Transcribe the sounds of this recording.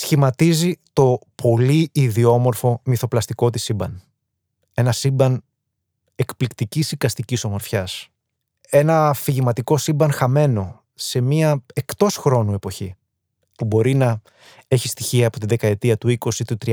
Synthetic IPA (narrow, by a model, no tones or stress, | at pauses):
sçimɐt̪izit̪o̞pʰo̞liiðio̞mo̞ɾfo̞miθo̞plɐst̪iko̞t̪isibɐn | e̞nɐsibɐn | e̞kplikt̪icisikɐst̪iciso̞mo̞ɾfçɐs | e̞nɐfiʝimɐt̪iko̞sibɐnxɐme̞no̞ | se̞miɐe̞kt̪o̞sxɾo̞nue̞po̞çi | pubo̞ɾinɐ | e̞çist̪içiɐːpo̞t̪inðe̞kɐe̞t̪iɐt̪uiko̞sit̪ut̪ɾi